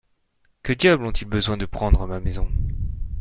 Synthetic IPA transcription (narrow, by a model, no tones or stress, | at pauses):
kəd̪jablɔ̃t̪ilbəzwɛ̃d̪əpχɑ̃d̪ʁəmamezɔ̃